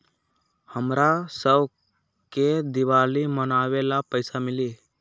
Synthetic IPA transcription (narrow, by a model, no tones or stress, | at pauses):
həmɾasəb | ked̪ɪʋaːlimənaːʋelapəɪsamɪliː